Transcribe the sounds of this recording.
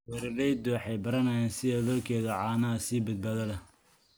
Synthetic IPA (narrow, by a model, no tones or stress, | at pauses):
wɛɾɪrɛjd̪ʊwɑħɑjbɐɾɐnɐjaːnsɪðɛðɔrkʰɛːðɐʕɑːnɐɐsiːbɐd̪̚baːðɐlɐ